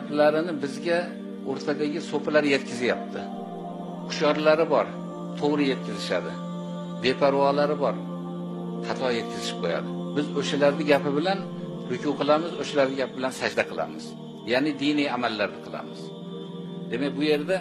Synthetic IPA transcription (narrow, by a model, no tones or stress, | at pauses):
apʰlaɾɪnɪbɪzɡʲa | oɾt̪ʰad̪aɡʲɪsopʰalaɾje̞t̪kʲʰɪzɪjap̚t̪ʰɪ | qʰʊ̥ʃjɒɾlaɾɪbɒɾ | t̪ʰoʁɾɪje̞t̪̚kʲɪzɪʃad̪ɪ | be̞pʰaɾwɒlaɾɪbɒɾ | hʰat̪ʰɒje̞t̪̚kʲɪzɪʃɪ̥p̚qʰoja̰d̪ɪbɪzoʃalaɾd̪ɪɡʲapɪbɪlan | ɾʊkʰʲuqʰɨlˠamɪzoʃalaɾd̪ɪɡʲapɪbɪlansad͡ʒd̪aqʰɨlˠa̰mɪz̥ | janɪd̪inijamalːaɾd̪ɪqʰɨlˠa̰mɪz̥ | d̪e̞makʲbʊje̞ɾd̪a